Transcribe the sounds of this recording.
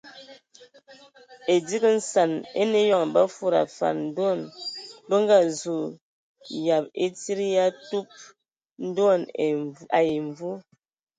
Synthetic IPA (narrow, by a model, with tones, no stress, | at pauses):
e˨di˦kə˦n̩˦sa˨nḛ˦ne˦jɔ˦˨ŋba˦fu˦ɾa̰˨fa̰˨nn̩˦dɔ˦˨nbə˦ŋ˦ɡa˦˨zu˨ | ja˨p̚e˦ti˦ɾi˦ja˦tu˦p̚ | n̩˦dɔ˦˨n˨a˨je˨ɱ˨vu˦